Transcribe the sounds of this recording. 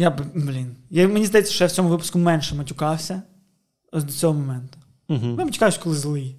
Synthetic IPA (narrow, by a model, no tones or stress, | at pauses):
jabblʲinjamenʲizd̪ɐjɛt͡sʲːɐ̥ʃt͡ʃɔjawt͡sʲɔmʊʋɪpʊ̥skʊmɛnʃɛmɐtʲʊkɑwsʲɐ | zd̪ɔt͡sʲsʲɔɦɔmɔmɛnt̪ʊ̥ | ɦmɛmɐtʲʊ̥kajʊsʲkɔlˠɪzlˠɪj